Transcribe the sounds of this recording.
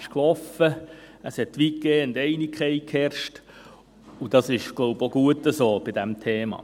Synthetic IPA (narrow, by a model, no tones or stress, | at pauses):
ʃklɔfə | əshɛt̪ːʋiːkːeːʊnd̪ɛɪnikχɛjkhɛɾʃt | ud̥ɑsɪʃɡ̥loʊboɡuətːəsoːb̥ɪd̥ɛmtʰeːmɑ̰ː